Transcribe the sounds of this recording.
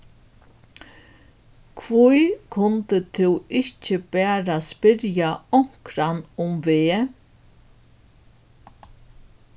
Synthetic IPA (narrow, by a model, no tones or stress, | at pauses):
kʰvujkʰʊnt̪ət̪ʰɪwɪht͡ʃəbæːɾaspɪɾjaɔŋ̥kɾanʊmveː